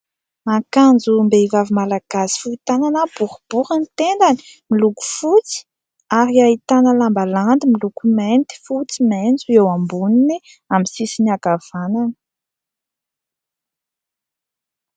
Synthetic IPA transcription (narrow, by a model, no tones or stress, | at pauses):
akand͡zumbeivavimalaɡ̥asi̥fuit̪ananəbuɾub̥uɾənt̪end̪ani̥miluku̥fut͡si̥ | aɾiait̪anəlambaland̪imilukument̪i̥fut͡siment͡suewambunini | amisisinaɡav̥anan